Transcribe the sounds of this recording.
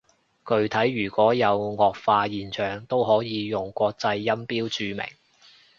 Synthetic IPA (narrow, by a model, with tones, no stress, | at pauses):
kɵ˧ɥt̪ʰɐ˨˥jːyː˨˩kʷɔː˨˥jɐ˨˧wŋɔː˨˧k̚faː˧jiː˨nt͡ʃʰœː˨˩ŋt̪o˥wɦɔː˨˥jiː˨˧jʊ˨˩ŋkʷɔː˧k̚t͡sɐ˧jːɐ˥mpiː˥wt͡ʃyː˧mɪ̰˨˩ŋ